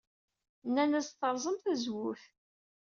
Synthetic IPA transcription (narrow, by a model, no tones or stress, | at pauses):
nːænæzθəɾˤzˤəmθæzwʊθ